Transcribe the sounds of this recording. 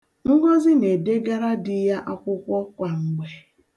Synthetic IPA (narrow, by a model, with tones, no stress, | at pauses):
ŋ̩˦ɡɔ˦zɪ˦ne˨de˦ɡa˦ɾa˦dɪ˦ja˦ʔa˦kʷʊ˦kʷɔ˦kʷa˨ŋ̩˨ɡ͡be˨